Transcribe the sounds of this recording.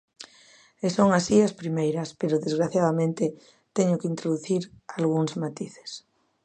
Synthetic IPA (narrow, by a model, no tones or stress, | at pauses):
esoŋasiaspɾimejɾɐspeɾʊðezɣ̞ɾaθjaðamẽnt̪e | t̪eɲʊkɪint̪ɾoðuθiɾalɣuŋzmat̪iθe̥s